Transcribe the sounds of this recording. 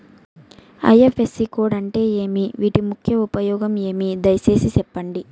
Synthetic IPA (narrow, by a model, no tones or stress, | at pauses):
ɐ̰jefʰesːikoːɽɐɳʈe̞ːe̞ːmiʋiːʈimukʰjɐupɐjɔːɡɐme̞ːmid̪ɐjse̞ːsisɛpːɐɳɖi